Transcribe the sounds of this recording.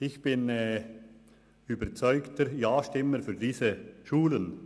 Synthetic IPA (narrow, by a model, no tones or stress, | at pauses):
ɪçb̥ɪnɛ | yːbəɾt͡sɔʏktəjaːʃtɪməɾfyːʁdiːzəʃuːlən